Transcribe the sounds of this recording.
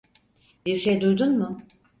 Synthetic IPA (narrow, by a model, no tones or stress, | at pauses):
b̥iɾʃejd̪uɾd̪unmʊ